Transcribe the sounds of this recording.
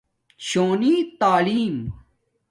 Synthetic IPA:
t͡ɕoːnit̪aːliːm

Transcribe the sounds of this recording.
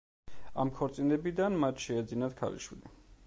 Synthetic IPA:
a̰mkʰɔɾt̪sʼinɛbid̪anmat̪ʰʃɛːd̪zinat̪kʰa̰lḭʃwḭli

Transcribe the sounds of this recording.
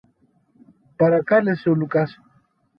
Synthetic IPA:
paɾakalesolukaso̥

